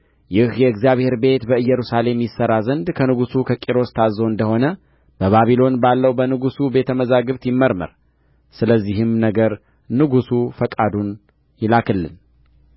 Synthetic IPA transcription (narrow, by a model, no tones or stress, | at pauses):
jɪhjɛɨɡzjaβhe̞ɾbe̞t̪bəɨjːɛɾusale̞mjɪsːəɾazənd̪kʰənɨɡusukʰəkʼiɾo̞st̪ʰazo̞ɨnd̪əho̞nə | b̥əβaβilo̞nbalːəwbənɨɡusubet̪ʰəməzaɡɨβt̪jɪmːəɾmə̰ɾ | sɨləzːiɦɨmnəɡəɾ | nɨɡusufəkʼad̪un | jɪlakʰɨlːɨ̰n